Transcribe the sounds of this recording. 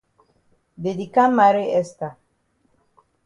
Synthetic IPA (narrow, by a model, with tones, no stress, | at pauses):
d̪ed̪i˨ka˦ma˨ɾe˦e˦st̪a˨